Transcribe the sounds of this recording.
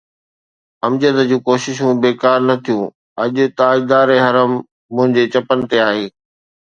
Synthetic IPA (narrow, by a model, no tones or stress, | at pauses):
ɐmd͡ʑət̪d͡ʑũːkoːʃɪʃ̬ũbeːkaːɾnɐt̪ʰijũː | ɐʄʊt̪aɪd̪aːɾeɦɐɾəmː | ʊ̃ɦɪ̃ɲd͡ʑet͡ɕɐpənɪ̆t̪eaːɦeː